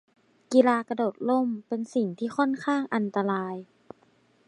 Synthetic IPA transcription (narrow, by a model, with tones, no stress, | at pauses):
ki˧laː˧ka˧doː˨˩t̪̚lo˧˥˨mpe˧nsi˨˩ŋt̪ʰiː˥˩xɔ˥˨nkʰaː˥˩ŋʔa˧nt̪a˧laː˧j